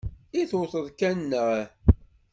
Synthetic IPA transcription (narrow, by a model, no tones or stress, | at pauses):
iθʊθəðˤkænːəʁ